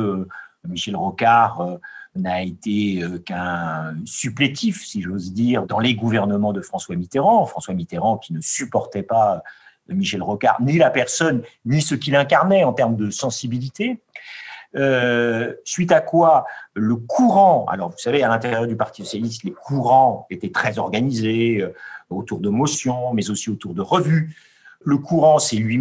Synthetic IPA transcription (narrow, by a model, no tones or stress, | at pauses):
miʃɛlʁɔkaʁønaet̪eøkɛ̃syplet̪ʰifsiʒozd̪iːʁd̪ɑ̃leɡuvɛʁnəmɑ̃d̪əfχɑ̃swamit̪eʁɑ̃fχɑ̃swamit̪eʁɑ̃kʲinəsypɔʁt̪ɛpaø | miʃɛlʁɔka̰ʁnilapɛʁsɔnːisəkʲilɛ̃kaʁnɛɑ̃t̪ɛʁmd̪əsɑ̃sibilit̪e | ø | sɥit̪akwaləkʰuʁɑ̃a̰lɔʁvusavealɛ̃t̪eʁjœʁd̪ypaʁt̪i̥sɔsjalis̬t̪lekʰuʁɑ̃et̪ɛt̪χɛzɔʁɡanizeøot̪uʁd̪əmɔsjɔ̃mɛzosiot̪uʁd̪əʁəvy | ləkuʁɑ̃sɛlɥi